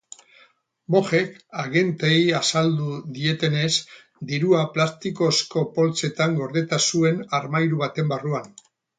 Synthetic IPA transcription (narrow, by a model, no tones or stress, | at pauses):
bo̞xe̞kaɣe̞nt̪ejasald̪uðie̞t̪e̞ne̞s | d̪iɾuaplast̪iko̞sko̞po̞lt͡se̞t̪aŋɡo̞ɾðet̪asue̞naɾmajɾuβat̪e̞mbaruan